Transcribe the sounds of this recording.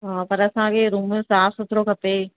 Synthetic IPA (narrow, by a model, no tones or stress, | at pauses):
ɦaːpɐɾɐsãkʰeɾuːmẽsaːfsʊt̪ʰɪɾokʰɐpeː